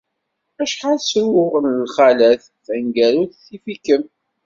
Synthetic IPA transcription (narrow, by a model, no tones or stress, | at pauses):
æʃħalsɾʊʁənəlχælæθ | θənɡæɾuθθifikəm